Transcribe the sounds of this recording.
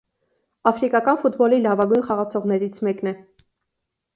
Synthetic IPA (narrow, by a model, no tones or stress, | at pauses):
ɑfɾikɑkɑnfut̪bɔlilɑvɑɡujnχɑʁɑt͡sʰɔʁnɛɾit͡sʰmɛknɛ